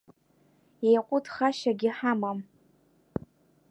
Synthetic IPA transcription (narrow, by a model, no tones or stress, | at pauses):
ejqʷʼʊtʰχaʃaɡʲiħamam